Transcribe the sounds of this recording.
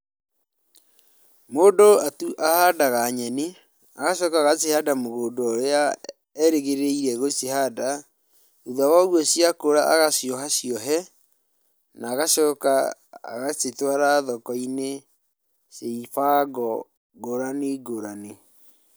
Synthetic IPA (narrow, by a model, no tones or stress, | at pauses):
moːdoatuʔahadaɣaɲɛne | aɣaʃɔːkaːɣasehadamoɣoːdooɾea | ɛɾeɣeɾeiɾɛɣosehada | uðawaoɣwɔsiakoɾaʔaɣasjɔɦasjɔɦɛ | naːɣaɕɔːka̰ɣasetwaɾaðɔkɔine | seifaɡɔ | ɡoɾaneɡoɾane